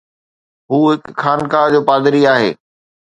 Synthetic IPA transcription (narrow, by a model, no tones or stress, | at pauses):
ɦuːɦɪkkʰaːnkaːd͡ʑoːpaːd̪ɪɾiaːɦḛː